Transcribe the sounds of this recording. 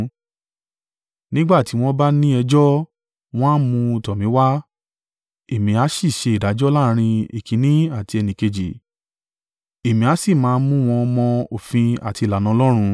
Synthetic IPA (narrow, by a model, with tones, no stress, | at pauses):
nĩ˦ɡ͡ba˦˨ti˨˦w̃ɔ̃˦ba˦nĩ˦ɛ˧d͡ʒɔ˦ | w̃ɔ̃˦mũ˧u˨tɔ˨mĩ˨˦wa˦ | e˨mĩ˨˧a˨˦ʃi˦˨ʃe˧i˨da˨˦d͡ʒɔ˦la˦˧ɾ̃ĩ˧e˨kĩ˨˦nĩ˦a˦˨ti˧ɛ˧nĩ˨ke˧d͡ʒi˨ | e˨mĩ˨a˨˦si˦˨mãː˨˦mũ˦w̃ɔ̃˧mɔ̃˧o˨fĩ˧a̰˨ti˧˨la˨nã˧lɔ˦ɾ̃ũ˧